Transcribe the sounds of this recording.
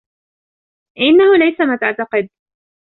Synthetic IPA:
ʔɪnːahʊlajsamaːt̪aʕt̪ɑqɨd̪̚

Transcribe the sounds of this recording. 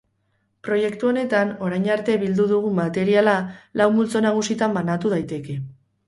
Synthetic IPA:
pɾo̞je̞kt̪uo̞ne̞t̪ano̞ɾajɲaɾt̪e̞βild̪uðuɣ̞umat̪e̞ɾialalawmult͡so̞naɣ̞usit̪ambanat̪uð̞ajt̪e̞ke̞

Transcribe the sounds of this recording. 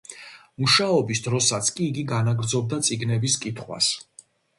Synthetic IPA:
muʃaɔbisd̪ɾɔsat̪sʰkʼiːɡiɡanaɡɾd̪zɔb̚d̪at̪sʼiɡnɛbiskʼit̪ʰχwa̰s

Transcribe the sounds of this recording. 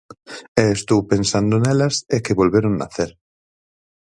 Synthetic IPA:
ɛːst̪owpensand̪onɛlɐsekɪβolβeɾoŋna̰θeɾ

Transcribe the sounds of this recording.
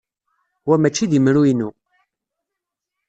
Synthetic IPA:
wæmæt͡ʃːiðimɾuinu

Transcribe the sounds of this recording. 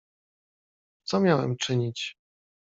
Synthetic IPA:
t̪sɔmʲjawɛ̰mt͡ʂɘɲit͡ɕ

